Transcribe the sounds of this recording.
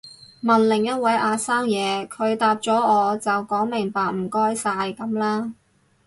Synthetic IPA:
mɐ˨nlɪ˨˩ŋjɐ˥t̚wɐ˨˥jʔaː˧saː˥ŋjɛː˨˧kʰɵ˨˧ɥt̪aː˨˧p̚t͡sɔː˨˥ɔː˨˧t͡sɐ˨wkɔː˨˥ŋmɪ˨˩ŋpaː˨k̚m̩˨˩kɔː˥jsaː˧jkɐ˨˥mlaː˥

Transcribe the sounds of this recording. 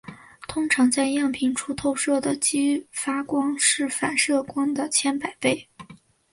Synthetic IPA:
t̪ʰʊ˥ŋʈ͡ʂʰɑ˧˥ŋt͡sa˥˧ɪjɑ˥˩ŋpʰi˧˩ŋʈ͡ʂʰu˥t̪ʰo˥˧ʊʂɤ˥˩d̪ə˩t͡ɕi˥fa˥kwɑ˥ŋʂɻ̩˥˩fa˨˩nʂɤ˥˩kwɑ˥ŋd̪ə˨t͡ɕʰjɛ˥npa˨˩ɪpe˥˩ɪ

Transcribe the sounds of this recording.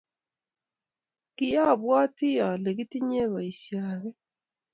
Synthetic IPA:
ki˦ja˦˨βwaː˦ti˦ja˨le˨ɣi˦ti˦ɲe˦βa˨isjaːɣe˦

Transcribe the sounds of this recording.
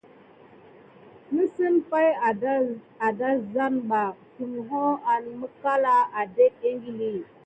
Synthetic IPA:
mə˦sə˦nfa˦j | a˨da˦za˦nba˨tu˨m˨ɦo˦a˨n˨mə˦ka˦la˦a˨de˦e˦ŋɡi˦li˦

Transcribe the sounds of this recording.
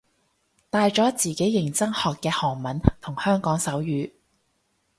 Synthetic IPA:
t̪aː˧jt͡ʃɔː˨˥t͡siː˨ke˨˥jːɪ˨˩ŋt͡sɐ˥ŋhɔː˨kːɛː˧hɔː˨˩ŋmɐ˨˥nt̪ʰʊ˨˩ŋhœː˥ŋkɔː˨˥ŋsɐ˨˥wjyː˨˧

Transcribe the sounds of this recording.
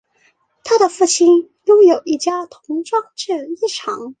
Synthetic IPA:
t̪ʰa˥d̪ə˨fu˥˩t͡ɕʰi˥n | jʊ˥ŋjo˨˩ʊi˥˩t͡ɕja˥t̪ʰʊ˧˥ŋʈ͡ʂwɑ˥˩ŋʈ͡ʂɻ̩˥˩i˥˩ʈ͡ʂʰɑ˧˥ŋ

